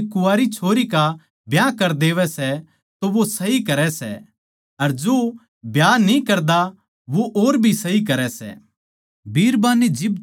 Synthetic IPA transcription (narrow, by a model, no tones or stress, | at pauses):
kʊaːɾit͡ʃʰoːɾika | bjaːkɐɾd̪eːʋɛsɛ | t̪oʋosɐɦikɐɾɛsɛ̰ | ɐɾd͡ʒoː | bjaːnĩkɐɾd̪a | ʋoʔoːɾbʱisɐɦik̬ɐɾɛsɛ̰ | bʱiːɾbãːnid͡ʒɪb